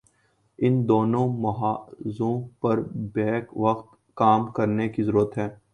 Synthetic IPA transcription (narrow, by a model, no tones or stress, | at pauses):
ɪnd̪oːnõmɐɦaːzõpɐɾbɛːkʋɐqt̪ | kaːmkɐɾnekizɐɾuːɾət̪ɦɛː